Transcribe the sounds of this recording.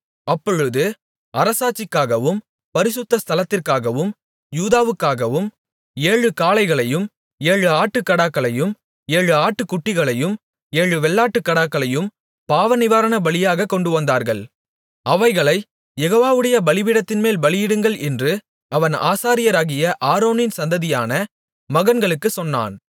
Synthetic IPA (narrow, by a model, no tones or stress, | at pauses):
ɐpːɔɻɯðɯ | ʔɐɾɐsaːt͡ʃːɪkːaːɣɐʋɯm | pɐɾɪsʊt̪ːɐst̪ʰɐlɐt̪ːɪrkaːɣɐʋɯm | juːðaːʋɯkːaːɣɐʋɯm | eːɻɯkaːlɐɪɣɐɭɐjɯm | eːɻɯaːʈːɯkːɐɽaːkːɐɭɐjɯm | eːɻɯaːʈːɯkːʊʈːɪɣɐɭɐjɯm | eːɻɯʋɛɭːaːʈːɯkːɐɽaːkːɐɭɐjɯm | paːʋɐnɪʋaːɾɐnɐbɐɭɪjaːɣɐkːɔɳɖɯʋɐnd̪aːɾɣɐɭ | ɐʋɐɪɣɐɭɐɪ | jɛɣoːʋaːʋɯɽɐjɐbɐlɪʋɪɽɐt̪ːɪnmeːlbɐlɪjɪɽɯŋɡɐɭʔɛndrɯ | ʔɐʋɐna̰ːsaːɾɪjɐɾaːɣɪjɐʔaːɾoːnɪnsɐnd̪ɐðɪja̰ːnɐ | mɐɣɐnɡɐɭɯkːɯsɔnːa̰ːn